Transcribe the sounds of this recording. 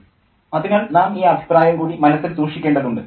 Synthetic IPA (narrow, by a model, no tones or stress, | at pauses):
ɐðinaːɭnaːmiːɐbʱi̥praːjɐmkuːɽimɐnɐsːild̪uːrʂikʲːeːɳɖɐðuɳɖɨ